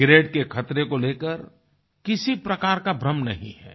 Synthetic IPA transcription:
ɡɾeːɖkekʰɐt̪ɾekoleːkəɾ | kɪsipɾɐkaːɾkabɾəmnɐ̰ɦḭ̃ɦɛ̰ː

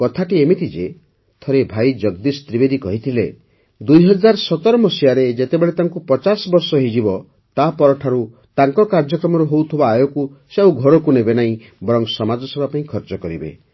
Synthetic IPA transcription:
kɔt̪ʰaʈiemit̪id͡ʒe | t̪ʰɔɾebʱajd͡ʒɔɡ̚d̪ist̪ɾibed̪ikɔɦit̪ʰile | d̪ujɦɔd͡ʒaɾsɔt̪ɔɾɔmɔsijaɾed͡ʒet̪ebeɭet̪aŋkupɔt͡ʃasɔbɔɾsɔɦid͡ʒibɔ | t̪apɔɾɔʈʰaɾu | t̪aŋkɔkaɾd͡ʒɔkɾɔmɔɾuɦowt̪ʰubaːjɔkuseawɡʱɔɾɔkunebenaĩ | bɔɾɔŋsɔmad͡ʒɔsɔbʱapãĩkʰɔɾt͡ʃɔkɔɾibḛ

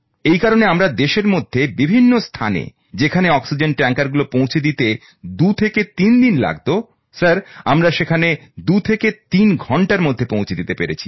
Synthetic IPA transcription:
ejkaɾoneamɾad̪eʃeɾmod̪ʱːebibʱinːost̪ʰa̰nḛ | d͡ʑekʰaneɔksid͡ʑenʈɛŋkaɾɡulopõw̃t͡ɕʰed̪it̪e | d̪ut̪ʰeket̪ind̪inla̰ɡ̚t̪o | saɾamɾaʃekʰaned̪ut̪ʰeket̪inɡʱɔɳʈaɾmod̪ʱːepõwt͡ɕʰed̪it̪epeɾḛt͡ɕʰi̥

